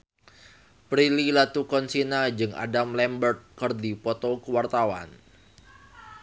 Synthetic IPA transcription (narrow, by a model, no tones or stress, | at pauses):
pɾililat̪ukɔnsinad͡ʒɨŋʔa̰damlɛmbərt̪̚kɨrdipɔt̪ɔkəwart̪awa̰n